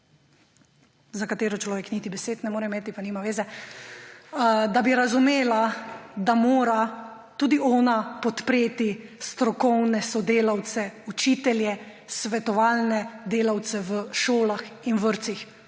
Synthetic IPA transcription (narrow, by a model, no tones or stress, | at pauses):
zakat̪eːɾɔt͡ʃlɔːʋeknit̪ibɛseːt̪nɛmoːɾɛimeːt̪ipanimaʋeːzɛ | d̪abiɾazumeːlad̪amoːɾa | t̪uːd̪iʔɔːnapɔt̪pɾeːt̪ist̪ɾɔkɔwnɛsɔd̪eːlawt̪sɛut͡ʃit̪ɛljɛ | sʋɛt̪ɔʋaːlnɛd̪eːlawt̪sɛʋəʃoːlaxinʋəɾt̪six